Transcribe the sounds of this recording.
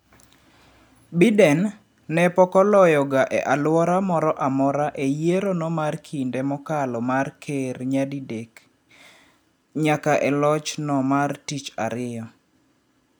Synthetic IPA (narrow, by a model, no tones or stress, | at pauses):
bidɛnː | ɛpɔkɔlɔjɔɡaʔɛ̰ʔalwɔɾamɔɾɔʔamɔɾaʔejeɾonɔmarkʰindɛmɔkalɔmarkʰerɲadidek | ɲakaʔɛlɔt͡ʃnɔmartit͡ʃa̰ɾɪjɔ